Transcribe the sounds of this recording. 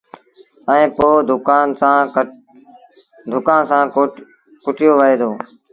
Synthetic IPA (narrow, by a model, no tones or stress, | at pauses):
əẽːpoːd̪ʊkaːnsãː | d̪ʱʊkãːnsãː | kʊʈʰɪjoːʋəɦeːd̪ʰoː